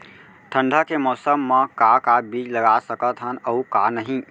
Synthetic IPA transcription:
ʈʰə̃ɳɖʱəkemɔːsəmːẽkakabiːd͡ʒləɡasəkət̪ɦənəukanəɦĩ

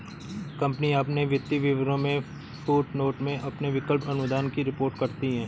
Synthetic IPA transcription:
kɐ̃mpniaːpneʋɪt̪ːiʋɪʋɾõmẽ | fuːʈnoːʈmẽʔɐpneʋɪkəlpɐnʊd̪aːnkiɾɪpoːɾʈkɐɾt̪iɦɛ̃ː

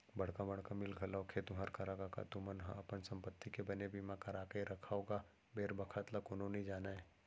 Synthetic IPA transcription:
bɐɽ̤kabɐɽ̤kamɪlɡʱəlaokʰet̪ũɦɐɾkɐɾakaka̰t̪umənɦã̰ɐpənsɐ̃mpət̪ːikebɐnebiːmãkɐɾaːkəeɾɐkʰaoːɡa | beːɾbɐkʰət̪lakoːnõnɐĩd͡ʒaːnaɛː

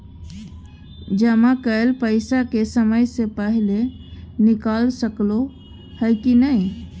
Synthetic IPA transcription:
d͡ʒəmãkəelpəɪsakesəməjsepəɦile | nikalsəklo | həjkinəi

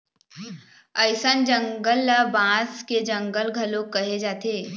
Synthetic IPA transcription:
əɪsənd͡ʒə̃ŋɡəlːabãːsked͡ʒɐ̃ŋɡəlɡʱəlõkɐɦed͡ʒaːt̪eː

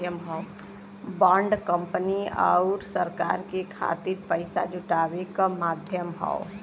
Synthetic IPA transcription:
jəmɦɔo | bãːɳɖkə̃mpəniə̰ʊɾsəɾka̰ːɾkekʰa̰t̪iɾpəɪsa̰d͡ʒʊʈaːwekamaːd̪ʱjəmɦɔ̰o

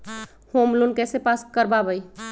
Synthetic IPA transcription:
homlunkɛsepaskəɾbabəj

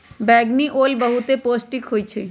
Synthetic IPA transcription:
bɛːɡniʔolbəɦut̪eposʈikɦojt͡ʃʰe

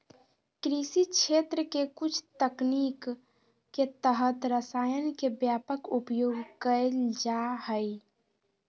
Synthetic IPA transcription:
kɾisikt͡ʃʰet̪ɾəkekut͡ʃʰt̪əknikː | et̪əɦət̪ɾəsaːjənkebjapəkupjoɡkəɪld͡ʒahəɪ

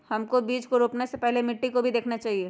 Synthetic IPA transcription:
hɐmkobiːd͡ʒkoɾoːpnesepɛɦlemɪʈːikobʱid̪eːkʰnat͡ʃaːɦieː

